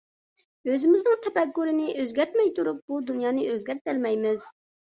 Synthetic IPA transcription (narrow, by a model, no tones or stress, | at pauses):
øzɪmɪznɪŋt̪ʰɛpɛkːuɾɪnɪʔøzɡʲɛɾt̪mɛjt̪ʰuɾup̚bud̪unjɑːnɨøzɡʲɛɾt̪̚ælmɛjmɪz̥